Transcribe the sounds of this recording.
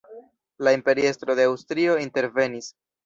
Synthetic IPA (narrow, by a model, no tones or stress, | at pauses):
laimpe̞ɾie̞stɾo̞de̞awstɾio̞inte̞ɾve̞nis